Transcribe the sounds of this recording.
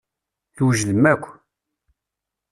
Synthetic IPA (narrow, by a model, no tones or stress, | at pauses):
θwʒðəmːækʷː